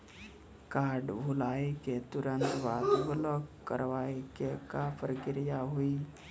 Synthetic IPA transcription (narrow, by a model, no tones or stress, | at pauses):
kaːɾɖbʱulaːeket̪uɾə̃nt̪ʋaːt̪bələkːə̰ɾʋaːekekapəɾɡɪɾɪjaɦui